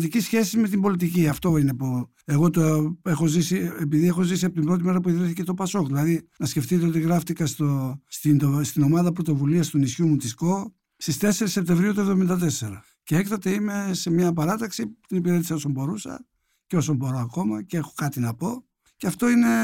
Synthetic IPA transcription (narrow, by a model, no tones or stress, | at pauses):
t̪icisçe̞sizme̞t̪̬imbo̞lit̪̬iciɐft̪o̞ine̞pu | e̞ɣo̞t̪oe̞xozisiepiðie̞xo̞zisiɐpot̪imbɾot̪ime̞ɾɐpuiðɾiθice̞t̪opɐso̞kðilɐðinɐsce̞ft̪it̪eo̞t̪iɣɾɐft̪ikɐst̪ost̪ind̪ost̪ino̞mɐðɐpɾo̞t̪o̞vuliɐst̪unisçumut̪isko̞ | st̪ist̪e̞se̞ɾisːep̚t̪evɾiut̪uevðo̞mind̪ɐt̪̬e̞se̞ɾɐ | cee̞kt̪ɐt̪e̞ime̞se̞mɲɐpɐɾɐt̪ɐksit̪inipiɾe̞t̪i̥sɐo̞sombo̞ɾusɐ̰ | ceo̞sombo̞ɾoɐko̞mɐcexo̞̥kɐt̪inɐpo̞ | ceɐft̪o̞ine̞